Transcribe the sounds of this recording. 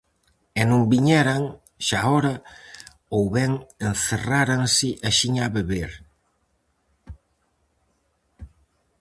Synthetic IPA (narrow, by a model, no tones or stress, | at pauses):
enõŋbiɲɛɾaŋ | ʃaɔɾa | owβɛŋenθeraɾaŋsɪʔaʃiɲaβeβeɾ